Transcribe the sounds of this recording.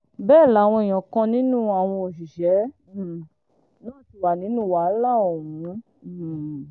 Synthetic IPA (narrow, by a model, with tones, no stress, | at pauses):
bɛː˦˨la˨˦˨w̃ɔ̃˧i˨j̃ɔ̃˨kã˧nĩ˨˦nũ˦a˨w̃ɔ̃˧o˨ʃi˨ʃɛ˨˦˨ | nãː˦˨ti˧wa˨nĩ˨˦nũ˦˨wa˨˦la˦˨o˨mũ˨˦˨